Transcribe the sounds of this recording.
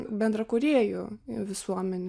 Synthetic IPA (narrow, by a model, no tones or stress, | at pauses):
bʲɛnd̪ɾɐkʊɾʲeːjʊʋʲɪsuɔmʲɛnʲ